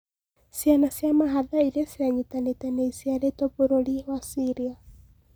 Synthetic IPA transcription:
sjanasjamaɦaðaiɾesiaɲitanetanɛisiaɾetɔpuɾoɾiwasiɾia

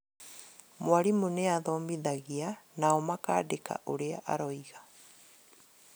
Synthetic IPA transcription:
mwaɾimuneaðɔmiðaɣianaɔmaka̰ːdeka̰ʔoɾeaʔa̰ɾɔiɣa

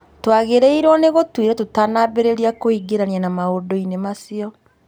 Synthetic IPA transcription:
twaɣeɾeiɾwɔneɣotwiɾɛtotanabeɾeɾiakoiɡeɾanianamaodoinemasiɔ

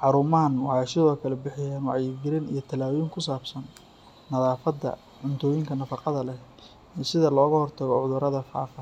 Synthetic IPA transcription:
ħɑɾuːmɐɦɐnwɑħɑjsɪðɔːkʰɐlɛbɪħɪjaːnwɑʕjɪɡɪɾɪnijɞt̪ʰɐlaːwjɪŋkʰʊsaːbsɐnː | ɐðaːfɐd̪ɐ̰ | ʕʊnt̪ʰɔːjɪŋkʰɐnɐfɑqɑðɐlɛ | iːsɪðɐlɔːɣɐhɔrt̪ʰɐɣɔʕʊðʊɾɐðɐfa̰ːfɐ

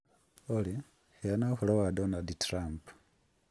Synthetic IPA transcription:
oli | hianaxulowadonalditrampu̥

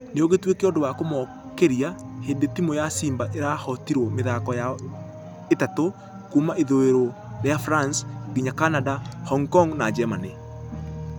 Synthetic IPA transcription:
neoɣetwekeɔdowakomɔ | keɾiaheːndetimojasiːmbaʔeɾahɔtiɾwɔmeðakɔja | etato | kuːmaʔeðoeɾo | ɾeafɾansɡiɲakanadahɔŋkɔŋnad͡ʒɛmane

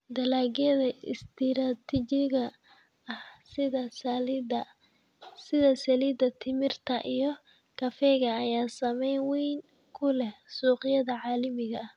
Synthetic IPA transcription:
d̪ɐlaːɣɛðɐɪ̰st̪ʰɪɾat̪ʰɪt͡ʃɪɣɐ | ɐhsɪðɐsɐlid̪ɐ | sɪðɐsɐliːd̪ɐt̪ʰɪmɪrt̪ʰɐʔijɞ | kʰɐfɛɣɐːjaːsɐmɛjnwijŋ | kʰʊlɛhsuːqɪjɐðɐʕɑːlɐmɪɣɐh

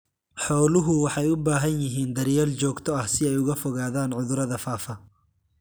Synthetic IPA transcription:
ħɔːlʊɦʊwɑħɑjʊbaːɦɐnjɪɦiːnd̪ɐɾjɛːlt͡ʃɔːɡt̪ʰɔɐhsɪɛjʊɣɐfɔɣaːðaːnʕʊðʊɾɐðɐfaːfɐ

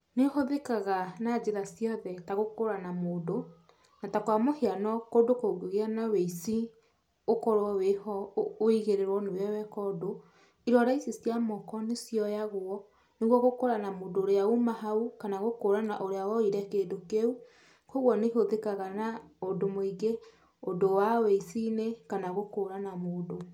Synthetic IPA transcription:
nehoðekaɣanad͡ʑeɾasjɔðɛtaɣokoɾanamoːdo | natakwamoheanɔkodokoɡoɣeanaweisi | okɔɾwɔwehɔːiɣeɾeɾwɔnewɛwɛkɔdo | iɾɔɾaisesiamɔkɔnesjɔjaɣwɔ | neɣwɔɣokoɾanamoːndoːɾeaumaɦaukanaɣokoːɾanaʔoɾeawɔiɾɛkeːdokeu | koɣwɔneɦoðekaɣanaodomoiɡe | odowaweisinekanaɣokoɾanamoːdo

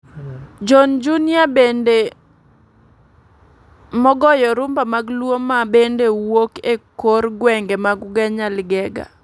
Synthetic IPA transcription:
d͡ʒɔnd͡ʒunɪabende | mɔɡɔjɔɾʊmbamaɡlwomːabendewokekoɾɡwɛŋɡemaɡɡɛɲalɡɛɡa̰

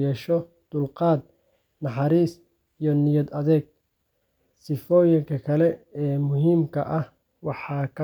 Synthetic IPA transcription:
ɛːʃɔ | d̪̥ʊlqɑːd̪̚ | nɑħɑɾiːs | ijɔnɪjɐd̪ɐðɛːɡ̚ | sɪfɔːjɪŋkʰɐkʰɐlɛɛːmʊɦiːmkʰɐ̰ʔɐh | wɑħɑːkʰɐ

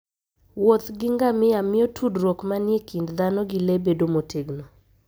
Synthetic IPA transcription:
wot̪ɡɪŋɡamɪamɪɔtʰudɾwokmanjekindd̪anɔɡɪlebedomotʰeɡno

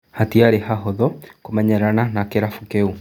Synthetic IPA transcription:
hatiaɾeɦaɦɔðɔkomaɲɛɾananakeɾafukeu

